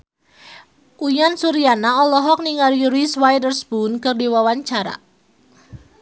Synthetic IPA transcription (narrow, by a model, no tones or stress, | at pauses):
ʔujansuɾianaɔlɔɦɔk̚niŋarjuɾiswajdərsbunkɨrdiwawaɲt͡ʃaɾa̰